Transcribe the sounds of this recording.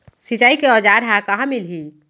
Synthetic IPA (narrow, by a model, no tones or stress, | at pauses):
sit͡ʃaikeɔd͡ʒaɾɦakaɦãmilɦi